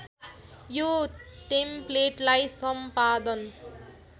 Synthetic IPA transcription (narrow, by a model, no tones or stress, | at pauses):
joʈempleʈlajsʌmpad̪ʌn